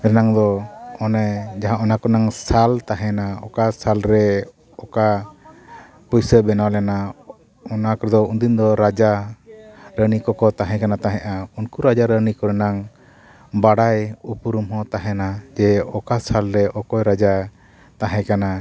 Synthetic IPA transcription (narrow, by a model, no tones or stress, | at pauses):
ɾɛnaŋd̪ɔɔnɛd͡ʒaɦãʔɔnakɔɾnaŋsalt̪aɦɛnaɔ̰kasalɾɛ | ɔka | pɔjsəbɛnawlɛna | ɔnakɔɾɛd̪ɔund̪ind̪ɔɾad͡ʒa | ɾənikɔkɔt̪aɦɛ̃kanat̪ãɦɛ̃ʔaunkuɾad͡ʒaɾənikɔɾɛnaŋ | baɽajupuɾumɦɔ̃t̪aɦɛnad͡ʒɛɔkasalɾɛʔɔkɔjɾad͡ʒa | t̪aɦɛ̃kana